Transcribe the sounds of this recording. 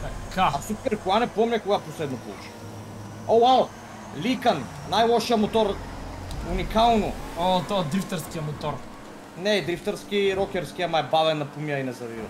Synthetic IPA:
akʰaasupɛɾkoanɛpɔmnɛkoɡaposlɛd̪nopo̰lˠṵt͡ʃi̥ | owwaw | likanːajlˠɔʃijamot̪ɔɾ | unikalˠnoot̪ɔad̪ɾift̪ɛɾskijamot̪ɔɾ | nɛd̪ɾift̪ɛɾskiɾɔkʲɛɾskiamaɛbavɛnːapumjainɛzɐvivɐ̰

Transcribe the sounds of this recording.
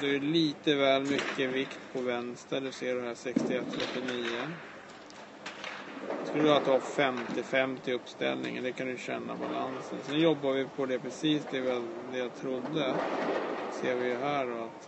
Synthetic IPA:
d̪ɛæjɵliːt̪əvɛːlmʏkːəvɪkt̪pʰɔvɛnst̪ɾad̪ɵseːɖɔɦæːʂɛkst̪ɪɛt̪ːɾɛt̪ːɪniːə | d̪ɛskɵlːəd̪aːt̪ːafɛmt̪ɪfɛmt̪ɪɵpːst̪ɛ̰lnɪ̰ŋə̰nd̪ɛkʰand̪ɵjɕɛnːa̰balansə̰nsɛnjɔbːavɪpʰɔd̪ɛpʰɾɛsiːsd̪ɛvd̪ɛjat̪ʰɾʊd̪ːə | seːɾvɪjɵɦæːɖɔat̪

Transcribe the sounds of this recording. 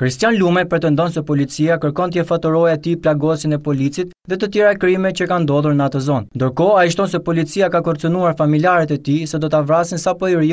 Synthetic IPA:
kɾist̪janlumɛpɾɛt̪ɛnd̪ɔnsɛpɔlit͡siakəɾkɔnt̪jɛfat̪əɾɔjaɛt̪iplaɡɔsinɛpɔlit͡sit̪ | ðɛt̪ət̪jɛɾaɛkɾimɛt͡ɕəkand̪ɔðˠuɾnəat̪əzɔnnd̪əɾkɔaiʃ̬t̪ɔnsɛpɔlit͡siakakɔɾt͡sənuaɾfamiljaɾɛt̪ɛt̪isɛd̪ɔt̪avɾasinsapɔjɾi

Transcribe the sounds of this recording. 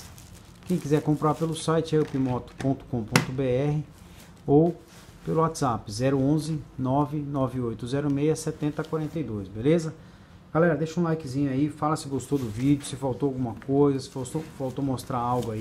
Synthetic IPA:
kẽj̃kizɛɾkõmpɾaɾpelʊsajt͡ʃɪɛʊpimɔt̪ʊ̥põnt̪ʊ̥kõpõnt̪ʊbeɛɦɪ | ow | pelʊat̪z̥apɪzɛɾʊõzɪnɔvɪnɔvɪojt̪ʊzɛɾʊmejɐsɛt̪ẽnt̪ɐkwaɾẽnt̪ejd̪ojsbelezɐ | ɡ̥alɛɾɐd̪eʃɐũlajkɪzĩɲʊaifalɐsɪɡost̪owd̪ʊvid͡ʒʊsɪfawt̪oawɡũmɐkojzɐsɪ̥fast̪ofawt̪omost̪ɾaɾawɡʊai

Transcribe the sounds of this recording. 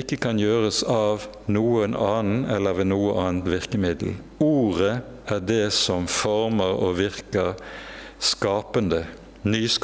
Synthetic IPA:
ɪkːəkʰɑnjøːʁəsɑːʋ | nuːənɑːnn̩ɛlːəʋeːnuːəʔɑːnt̪ʋɪʁkəmɪd̪l̩ | uːʁə | ʔæʁd̪ɛːsɔmfɔʁməʁo̰ːʋɪʁkə | skɑːpənd̪ə | nyːsk

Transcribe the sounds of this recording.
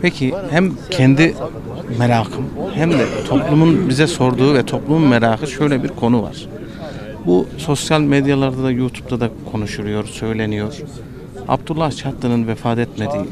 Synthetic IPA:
pʰɛcʰihæmcʰɛnd̪i | meɾaːkʰɯmhæmd̪ɛt̪ʰo̞plˠumunbizɛso̞ɾd̪uːvɛt̪ʰo̞plˠumunmeɾaːkɯʃø̞jlʲɛbiɾkʰo̞nuva̰ɾ̥ | buso̞sjalʲmed̪jalˠaɾd̪ad̪ajuːt̪ʰu̥p̚t̪ʰad̪akʰo̞nuʃulˠujo̞ɾsø̞jlʲe̞nijo̞ɾ̥ | a̰b̚t̪ulˠːaht͡ʃʰat̪lˠɯnɯnvɛfaːt̪ʰɛt̪med̪iː

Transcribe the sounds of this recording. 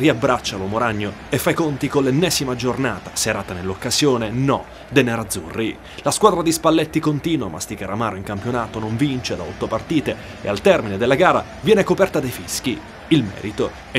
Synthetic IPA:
riabːɾat͡ʃːalomoɾaɲːoefːajkont̪ikolːenːɛːzimad͡ʒornaːt̪ḁseɾaːt̪anelːokːazjoːnenɔ̰ | d̪enaɾad̪zːṵrːi | laskwaːd̪ɾad̪ispalːet̪ːikont̪iːnwo̰ma̰st̪ikaɾamaːɾoiŋkampjonaːt̪onoɱvint͡ʃed̪aɔt̪ːopart̪iːt̪e | ḛalt̪ɛrmined̪elːaɡaːɾa̰ | vjɛːnekopɛrt̪ad̪ejfisk̟i | ilmɛ̰ːɾit̪o | ɛ

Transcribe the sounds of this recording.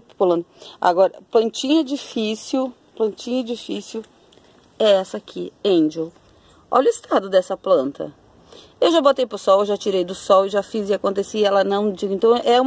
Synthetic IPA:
folɐ̃nd̪ʊa̰ɡɔɾɐplɐ̃nt͡ʃĩɲɐd͡ʒifisjʊ | plɐ̃nt͡ʃĩɲɐed͡ʒifisjʊ | ɛɛsɐakʰiẽd͡ʒo | ɔ̰ʎʊɪst̪ʰad̪ʊd̪ɛsɐplɐ̃nt̪ɐ̰ | ewʒabot̪ejpɾʊsɔwewʒat͡ʃiɾejd̪ʊsɔwɪʒafizɪakõnt̪esiɛlɐnɐ̃w̃d͡ʒiɡʊẽnt̪ɐ̃w̃ʔɛũ

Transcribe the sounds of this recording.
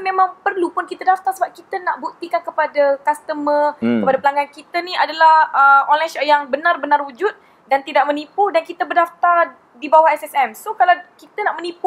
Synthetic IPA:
mẽmãŋpərlupʊnkit̪adaft̪arsəbap̚kit̪ənaʔbuk̚t̪ikankəpadakast̪əməkkəpadapəlaŋɡankit̪ənĩadalahəonlasajaŋbənarbənarud͡ʒut̪̚ | dant̪idaʔmə̃nipʊdankit̪əbərdaft̪ar | dibawaɦɛsɛsɛmsokalawkit̪ənaʔmənipu

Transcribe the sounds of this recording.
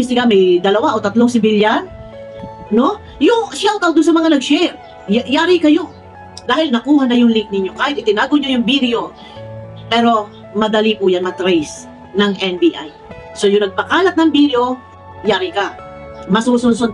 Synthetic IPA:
bɪst̪ɪɡamɛjd̪ɐlɐwaʔot̪ɐt̪loŋsɪbɪljan | no̞ | jʊŋʃawk̪ɐwd̪ʊns̬ɐmɐŋanɐɡʃɛɾ | jajaːɾɪkɐjo | d̪aːhɪlnɐkuːhanɐjʊŋlɪŋk̚nɪɲjo̞kaːhɪt̪ʔɪt̪ɪnaːɡoɲojʊŋbid̪ɪo̞ | pɛːɾo̞ | mɐd̪ɐlipʊjanmɐt̪ɾɛjs | nɐŋʔɛnbiʔa̰j | so̞jʊŋnɐɡ̚pɐkaːlɐt̪̚nɐŋbid̪eo̞ | jaːɾɪkamɐsusunsʊ

